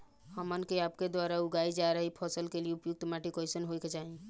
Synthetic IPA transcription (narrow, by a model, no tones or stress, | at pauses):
həmənkeapked̪waɾauɡaid͡ʒaeɾəɦipʰɔsəlkelieupjuk̚t̪maʈikɔɪsənɦoket͡ʃaɦi